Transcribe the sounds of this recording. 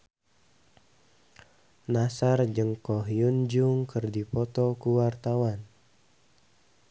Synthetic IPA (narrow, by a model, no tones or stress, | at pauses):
nasard͡ʒɨŋkɔɦiund͡ʒuŋkɨrdipɔt̪ɔkuwart̪awan